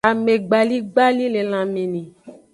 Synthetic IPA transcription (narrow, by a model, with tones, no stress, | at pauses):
a˨me˨ɡ͡ba˨li˦ɡ͡ba˦li˦le˨l̃ã˨mẽ˨nĩ˨